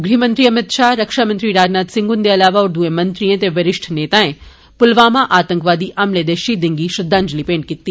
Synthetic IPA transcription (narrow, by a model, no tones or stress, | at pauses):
ɡɾimɐ̃nt̪ɾiɐmɪt̪ʃaːɾɐkʃamənt̪ɾiɾaːd͡ʒnaːt̪sɪ̃ŋɡʊnd̪eɐlaːʋaɔːɾd̪uẽmɐ̃nt̪ɾiẽt̪eʋɐɾɪʃʈʰneːt̪aẽ | pʊlʋaːmãʔaːt̪ə̃ŋkʋaːd̪iʔɐmled̪eʃid̪ɪ̃ŋɡiʃɾɐd̪ʱːãːnd͡ʒlipẽːɳɖ̚kit̪ːi